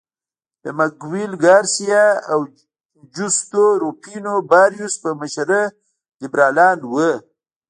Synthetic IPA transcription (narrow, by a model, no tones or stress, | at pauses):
d̪əmaɡwilɡaɾsijaːw | d͡ʒust̪oɾopʰinobɑɾjuspəmaʃaɾə | d̪ibɾɑːlɑːnwə